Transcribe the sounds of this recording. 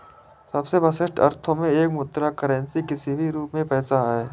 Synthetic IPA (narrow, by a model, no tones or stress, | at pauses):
sɐbsebɐsɪʃʈɐ̰ɾt̪ʰõmẽeːkmʊt̪ːɾakəɾɛ̃nsikɪsibʱiɾuːpmẽpɛːsaɦɛː